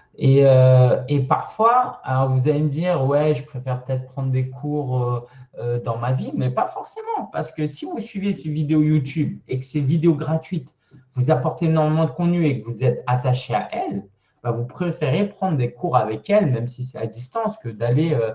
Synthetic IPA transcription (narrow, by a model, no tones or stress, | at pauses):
eøepaʁfwaa̰lɔʁvuzaleməd̪iːʁwɛʒəpχefɛʁpə̥t̪ɛt̪χə̥pχɑ̃d̪ʁd̪ekʰuʁøød̪ɑ̃mavimɛpafɔʁsemɑ̃paʁsə̥kəsivusɥivesevid̪eojut̪ybekə̥sɛvid̪eoɡʁat̪ɥit̪ | vuzapɔʁt̪eenɔʁmemɑ̃d̪əkɔ̃t̪nyekəvuzɛt̪at̪aʃea̰ʔɛl | b̥avupχefeʁepχɑ̃d̪ʁd̪ekuʁavɛkʲɛlmɛmsisɛt̪a̰d̪ist̪ɑ̃skəd̪aleø